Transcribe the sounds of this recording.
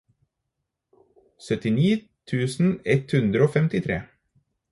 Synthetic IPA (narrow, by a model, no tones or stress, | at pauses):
sœt̪ɪniː | t̪ʰʉːsn̩ɛt̪hʉnd̪ɾəoːfɛmt̪ɪt̪ʰɾḛː